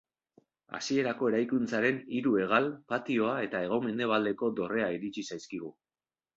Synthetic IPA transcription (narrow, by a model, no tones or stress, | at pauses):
a̰sie̞ɾako̞e̞ɾajkunt͡saɾe̞niɾue̞ɣ̞alpat̪io̞ae̞t̪ae̞ɣ̞o̞me̞nd̪e̞β̞ald̪e̞ko̞d̪o̞re̞aiɾit͡ʃisajskiɣ̞u